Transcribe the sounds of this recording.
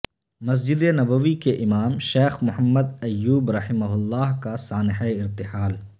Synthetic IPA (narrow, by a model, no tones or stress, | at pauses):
mɐs̬d͡ʒɪd̪enɐbəʋikeʔɪmaːmʃeːxmʊhəmːəd̪ɐjːuːbɾɐħɪmɐɦʊlːaːɦkasaːnɪɦeɪɾt̪ɪħaːl